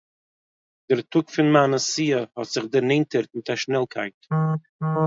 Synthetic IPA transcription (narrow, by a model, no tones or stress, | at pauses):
dɪɾtʰʊkfɪnmanəsiːəhɔtz̥ɪχdəɾnɛɪntəɾt̚mɪtaʃnɛlˠkʰaɪt